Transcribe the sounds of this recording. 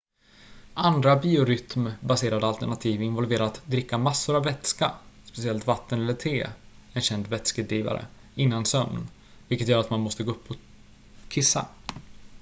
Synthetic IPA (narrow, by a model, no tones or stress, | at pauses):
ʔand̪ɾabiːʊɾʏt̪mbaseːɾad̪əalt̪əɳat̪ʰiːvɪnvɔlveːɾat̪d̪ɾɪkːamasːʊɾavːɛt̪ska̰spɛsɪɛlt̪vat̪ːənɛlːəʈʰeːɛnɕɛnd̪vɛt̪skəd̪ɾiːva̰ɾə̰ | ɪnːansœmn | vɪlkət̪jœːɾat̪manmɔst̪əɡoːɵpːɔ | kʰɪsːa̰